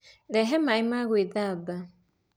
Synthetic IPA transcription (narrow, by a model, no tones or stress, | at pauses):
lɛɦɛmaimaɣweðaba